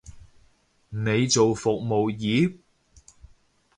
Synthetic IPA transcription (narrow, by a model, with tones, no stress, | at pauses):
ne˨˧jt͡so˨wfʊ˨k̚mo˨wjiː˨˥p̚